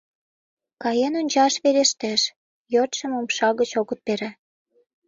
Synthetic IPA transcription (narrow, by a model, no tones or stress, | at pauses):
kɑjenonʲt͡ɕɑʃβeɾeʃt̪eʃ | jøt̪ʃə̆momʃɑɣət͡ɕoɣə̆t̪̚peɾæ